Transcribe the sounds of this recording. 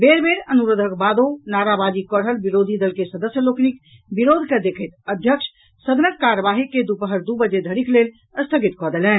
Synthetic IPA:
beːɾbeːɾənuɾəd̪ʱəkbaːd̪onaːɾabaːd͡ʒikɔːɽɦəlbiɾoːd̪ʱid̪əlkesəd̪əsjəloːknik | biɾoːd̪ʱked̪eːkʰət̪əd̪ʱjəkʃ | səd̪nəkkaːɾəʋaːɦiked̪upəɦəɾd̪ubəd͡ʒed̪ʱəɽikleːl | əst̪ʰəɡɪt̪kɔːd̪elɛ̃ː

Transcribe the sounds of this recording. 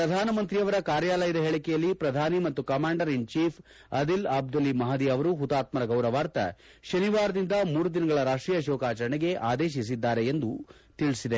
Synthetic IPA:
pɾɐd̪ʱaːnɐmɐnt̪ɾijɐʋɐɾɐkaːɾjaːlɐjɐd̪ɐɦeɭɐkɛjɐlːipɾɐd̪ʱaːnimɐt̪ːukɐmaːɳɖɐɾint͡ʃiːpʰ | ɐd̪ilɐːb̚d̪ɐlimɐɦɐd̪iɐʋɐɾuɦut̪aːt̪mɐɾɐɡɐwɾɐʋaːɾt̪ɐ̰ | ʃɐniʋaːɾɐd̪ind̪ɐmuːɾud̪inɐɡɐɭɐɾaːʂʈɾiːjɐʃɔːkaːt͡ʃɐɾɐɳeɡe̞ʔaːd̪eːʃ̬is̬id̪ːaːɾe̞ːnd̪u | t̪iɭisid̪e

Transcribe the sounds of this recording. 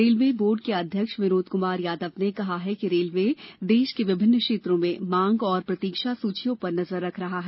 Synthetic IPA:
ɾeːlʋeːboːɾɖ̚keɐd̪ʱjəkʃʋɪnoːd̪kʊmaːɾjaːd̪əʋnekɐɦaɦɛkiɾeːlʋeːd̪eːʃkeʋɪbʱɪnːkʃeːt̪ɾõmẽmãːŋɡɔːɾpɾɐt̪iːkʃasuːt͡ʃʰijõpɐɾnɐzəɾːɐkʰɾɐɦaɦɛː

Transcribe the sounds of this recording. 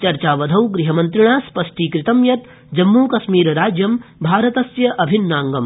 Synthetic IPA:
t͡ʃɐɾt͡ʃaːʋɐd̪ʱɐwɡɾiɦɐmɐnt̪ɾɪɳ̃aːspɐʃʈiːkɾɪt̪ɐmjɐt̪ | d͡ʒɐmːuːkɐʃmiːɾɾaːd͡ʒjɐmbʱaːɾɐt̪ɐsjɐʔɐbʱinːaːŋɡɐm

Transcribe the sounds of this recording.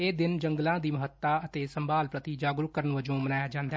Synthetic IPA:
eːd̪ɪnd͡ʒəŋɡlãːd̪iːməɦət̪ːaːət̪eːsəmbaːlpɾət̪iːd͡ʒaːɡɾʊkəɾənʋəd͡ʒõːmənaːjaːd͡ʒãːnd̪aː

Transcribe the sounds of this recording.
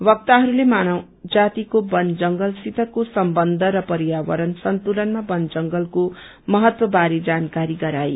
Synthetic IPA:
bʌk̚t̪aɦʌɾulemanʌw̃ | d͡zat̪ikobʌnd͡zʌŋɡʌlsit̪ʌkosʌmbʌnd̪ʱʌɾʌpʌɾijawʌɾʌnsʌnt̪ulʌnmabʌnd͡zʌŋɡʌlko | mʌɦʌt̪wʌbaɾid͡zankaɾiɡʌɾaj

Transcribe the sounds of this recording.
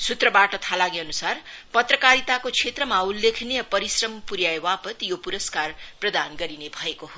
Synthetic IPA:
sut̪rʌbaʈʌt̪ʰalaɡiʌnusarpʌt̪rʌkaɾit̪akot͡sʰet̪rʌmaulːekʰnijʌpʌɾisrʌmpuɾjajwapʌt̪jopuɾʌskarprʌd̪anɡʌɾinebʱʌekoɦo

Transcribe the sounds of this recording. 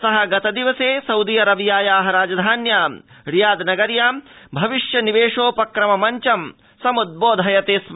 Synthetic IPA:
sɐɦɐ̆ɡɐt̪ɐd̪iʋɐseːsɐwd̪ijɐɾɐʋjaːjaːɦɐɾaːd͡ʒɐd̪ʱaːnjaːm | ɾijaːd̪nɐɡɐɾjaːmbʱɐʋiʃjɐniʋeːʂoːpɐkɾɐmɐmɐɲt͡ʃɐm | sɐmud̪̚boːd̪ʱɦɐjɐt̪eːs

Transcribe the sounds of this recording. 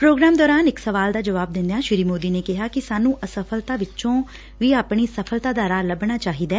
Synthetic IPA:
pɾoːɡɾaːmd̪ɔːɾaːnɪksəʋaːld̪aːd͡ʒəʋaːb̚d̪ɪ̃nd̪ejaːʃɪɾiːmoːd̪iːneːkɪɦaːkɪsaːnũːʔəsəpʰəlt̪aːʋɪt͡ʃõː | ʋiːaːpɳ̃iːsəpʰəlt̪aːd̪aːɾaːləbɳaːt͡ʃaːɦiːd̪ɛː

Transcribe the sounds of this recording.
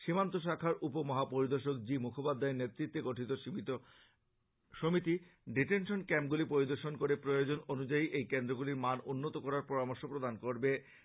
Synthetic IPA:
ʃimant̪oʃ̬akʰaɾʔupomɔɦapoɾid̪oɾʃokd͡ʑimukʰopad̪ʱːaeɾnet̪ːɾit̪ːeɡoʈʰit̪oʃimit̪o | ʃomit̪iɖiʈenʃonkɛmp̚ɡulipoɾid̪oɾʃonkoɾepɾojod͡ʑononud͡ʑaiʔejkend̪ɾoɡuliɾmanunːot̪okɔɾaɾpɔɾamoɾʃopɾod̪ankoɾbe

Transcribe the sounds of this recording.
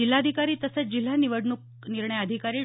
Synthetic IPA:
il̤ːad̪ʱikaɾiːt̪əsət͡sd͡ʑil̤ːaniʋəɽɳuk̚ | niɾɳəjəd̪ʱikaɾiː

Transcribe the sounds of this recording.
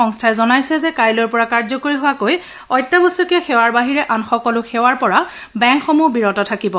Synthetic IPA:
ɔŋstʰaɛzɔnajsɛzɛkaɹjlɔɹpɔɹakaɹzɔkoɹiɦʊwakoj | ɔjtːabɔsukɛxɛwaɹbaɦiɹɛʔanxɔkɔlʊxɛwaɹpɔɹa | bɛŋkxɔmubiɹɔtɔtʰakibɔ

